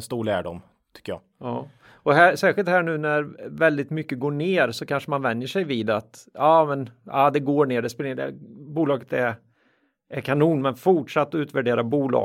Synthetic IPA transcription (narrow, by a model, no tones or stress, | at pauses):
nst̪uːɭæ̰ːɖɔ̰m | t̪ʰʏ̥kːəjɑ̰ː | ɑː | ɔɦæːsɛːɧɪlt̪hæːɳʉ̟ːnæɾvɛld̪ɪt̪mʏkːəɡoːɳeːɾsɔkʰanʂəmanvɛnjəʂɛjviːd̪at̪ɑːmɛnaːd̪ɛɡoːɳeːɖɛspɛlɖɛ̰buːlɑːɡət̪ɛɾ | ɛɾkʰanuːnmɛnfʊʈʂat̪ːɔʉːt̪væɖeːɾabuːlɑ̰ː